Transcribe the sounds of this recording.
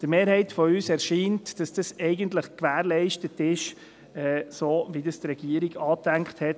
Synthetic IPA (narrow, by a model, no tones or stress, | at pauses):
d̥əmeːɾɦɛɪtfɔyːsɛɾʃiːntd̥ɑsd̥ɑsɛɪɡəntləχkʋæːɾlɛɪʃtətɪʃ | ɛːsoːʋidɑstɾɛɡ̥iəɾiɡɑːtæŋkχthɛt